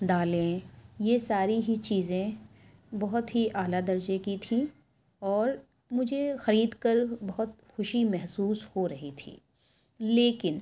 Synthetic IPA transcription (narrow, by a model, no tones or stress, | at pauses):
d̪aːlẽjesaːɾiɦit͡ʃiːzẽ | bɐɦʊt̪ɦiʔaːlad̪ɐɾd͡ʒekit̪ʰĩ | ɔːɾ | mʊd͡ʒʱexɐɾiːd̪kɐɾbɐɦʊt̪ | xʊʃimɛɦsuːshoɾɐɦit̪ʰḭː | leːkɪn